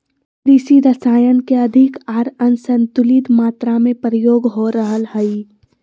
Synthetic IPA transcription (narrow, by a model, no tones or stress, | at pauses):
ɾisiɾəsaːjənkeɐd̪ʱɪkaːɾənsənt̪ʊlit̪maːt̪ɾamẽpɾəjoːɡɦoɾəɦəlɦəi